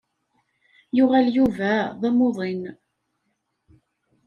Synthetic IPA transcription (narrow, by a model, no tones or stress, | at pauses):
jʊʁæljuvæðˤæmoðˤin